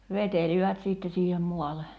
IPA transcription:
ʋeteliʋæt siˑtːe siːhem muɑle

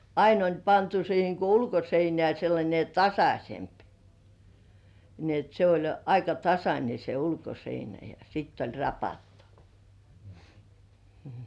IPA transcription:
ɑin olʲ pɑntu siːheŋ ko ulkoseinĕæˑ selːɑnʲe tɑsɑsʲemp ni et se olʲ ɑikɑ tɑsɑnʲe se ulkoseinæ jɑ sitː olʲ rɑpɑtːu̥ m̩

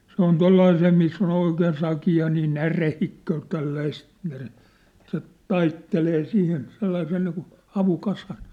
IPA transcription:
se on tolːɑiseː misː on oikeːn sɑkiɑ niː nærehikːøː tælːæist nære se tɑitːeleː sihin selːɑisen niːkun̞ hɑʋukɑsɑn

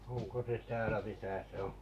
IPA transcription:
oŋko se tæːlæ misæ se õː

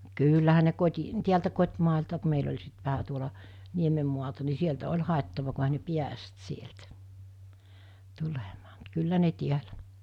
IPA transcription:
kyːlːæhæ ne koti tiæltæ kotʲmɑˑeltɑ ku meil olʲ sit ʋæhæ tuolɑ niemem muɑltɑ ni sieltæ olʲ hɑˑetːɑʋɑ ku ehæ ne piæst sieltæ̥ tulemɑ̥ː mut kylːæ ne tiælæ

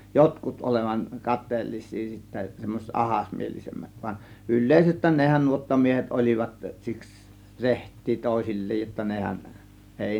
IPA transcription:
jotkut ʔoleʋɑŋ kɑtˑeːlːisˑiː sitːæ semːoset ʔɑhɑsmielisemːæt ʋɑn ylˑeˑisestˑæːn nehæn nuotːɑmiehet olʲiʋɑt siks rehtˑiː toˑe̝silʲːeːj jotːɑ nehæn eˑi

